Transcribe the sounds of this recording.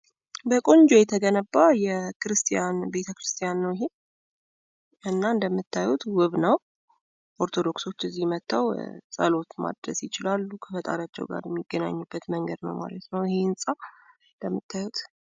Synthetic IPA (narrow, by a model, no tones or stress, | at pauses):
bəkʼond͡ʒojɛt̪ʰəɡənəbːajɛkɨɾɨst̪ʰʼijanbe̞t̪ʰəkɾɨst̪ʰʼijanːəwjɪɦe | ɨnːaɨnd̪əmːɨt̪ʰːajut̪wɨβnəw | ʔo̞ɾt̪ʰo̞d̪o̞kso̞t͡ʃːɨzːijmət̪ʰːawsʼə̰lo̞t̪ma̰d̪ɾəsjɪt͡ʃɪlalːukʰəfət̪ʼa̰ɾat͡ʃːɛ̰wɡa̰ɾjɛmːiɡ̥ːəna̰ɲːubːət̪məŋɡəd̪nə̰wma̰lət̪nəwɪheɨnsʼa | nd̪əmːɨt̪ʰːajut̪